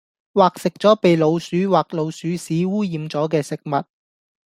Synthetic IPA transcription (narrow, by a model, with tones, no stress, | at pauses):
waː˨k̚sɪ˨k̚t͡sɔː˨˥pe˨jlo˨˧wsyː˨˥waː˨k̚lo˨˧wsyː˨˥siː˨˥wuː˥jiː˨˧mt͡sɔː˨˥k̬ɛː˧sɪ˨k̚mɐ˨t̚